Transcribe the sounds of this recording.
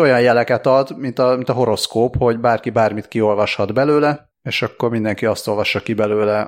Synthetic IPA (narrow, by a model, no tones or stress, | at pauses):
o̞jɒjjɛlɛkɛt̪ɒd̪mint̪ɒmint̪ɒɦo̞ɾo̞skoːpho̞ɟbaːrkibaːrmit̪kio̞lvɒʃhɒd̪bɛløːlɛ | eːʃɒkːo̞rmind̪ɛŋkiɒst̪o̞lvɒʃːɒkibɛløːlɛ